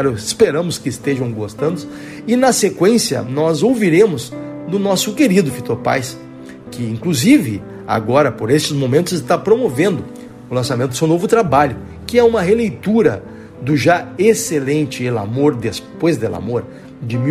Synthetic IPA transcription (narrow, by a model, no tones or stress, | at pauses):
ɾɪspeɾɐ̃mʊskɪːst̪eʒɐ̃w̃ɡost̪ɐ̃nd̪ʊs | ɪnɐsekwẽsjɐ̰nɔzowviɾẽmʊzd̪ʊnɔsʊkeɾid̪ʊfit̪oɾpa̰js | kɪĩŋkluzivɪ | a̰ɡɔɾɐpoɾest͡ʃɪzmõmẽnt̪ʊzɪst̪apɾomovẽnd̪ʊ | ʊlɐ̃samẽnt̪ʊ̥sẽnovʊt̪ɾabaʎʊ | kɪɛũmɐɦelejt̪uɾɐ̰ | d̪ʊʒaeselẽnt͡ʃɪela̰moɾd̪espojzd̪ela̰moɾ | d͡ʒɪmi